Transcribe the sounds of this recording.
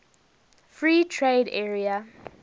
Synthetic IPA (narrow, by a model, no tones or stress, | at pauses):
fɹiːtʰɹedɛɹia